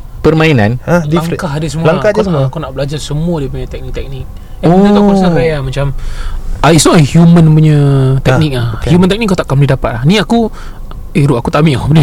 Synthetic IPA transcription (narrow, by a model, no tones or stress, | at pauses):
pərmãina̰nadiaŋkaɦdəsəmulaŋkakd͡ʒasəmuakunaʔbəlad͡ʒarsəmuadiəpuɲat̪ɛk̚nik̚t̪ɛk̚nik̚ | aot̪at̪ausakajamat͡ʃam | aisɔʔahjumə̃npuɲət̪ɛnik̚lahhjumə̃nt̪ɛk̚niʔkːat̪aʔkamdidapat̪̚lahniaku | iɾuʔakut̪amiʔapdi